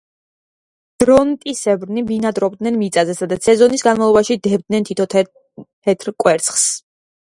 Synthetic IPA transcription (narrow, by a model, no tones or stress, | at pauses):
d̪̥ɾɔnt̪ʼisɛbɾnibinad̪ɾɔb̚d̪nɛnmit̪sʼazɛsad̪at̪ssɛzɔnisɡanmavlˠɔbaʃid̪ɛb̚d̪nɛnt̪ʰit̪ʰɔ | tʰɛt̪ʰɾkʼwɛɾt̪sʰχs